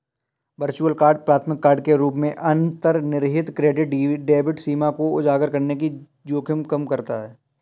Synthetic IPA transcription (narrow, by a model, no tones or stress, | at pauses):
ʋəɾt͡ʃuəlkaːɾɖ̚pɾaːt̪ʰmɪkːaːɾɖ̚keɾuːpmẽʔɐnt̪əɾnɪɾɦɪt̪kɾeːɖɪʈɖeːbɪʈsiːmakoʊd͡ʒaːɡəɾkɐɾnek̬i | d͡ʒoːkʰɪmkɐmkɐɾt̪aɦɛː